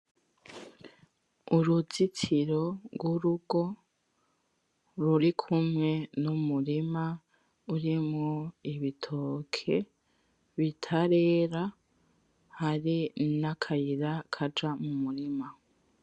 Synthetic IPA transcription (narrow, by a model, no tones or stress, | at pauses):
uɾuzitʰiɾo̞ɡwuɾuɡ̥o̞ | ɾuɾikʰumŋe̞numuɾima | uɾimŋoiβitʰokʰe̞ | βitʰaɾe̞ːɾa | haɾinakʰajiɾakʰad͡ʒamumuɾima